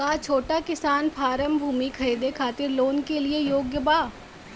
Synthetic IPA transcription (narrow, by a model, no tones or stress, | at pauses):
at͡ʃʰoːʈakɪsaːnpʰaːɾəmbʱuːmikʰɐɾeːd̪ekʰaːt̪ɪɾloːnkeliejoːɡjəbaː